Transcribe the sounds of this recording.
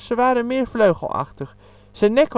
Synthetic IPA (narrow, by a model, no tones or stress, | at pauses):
səʋaːɾənmɪːrfløɥɣə̰l̩ˠa̰xtəx | sənɛkʋ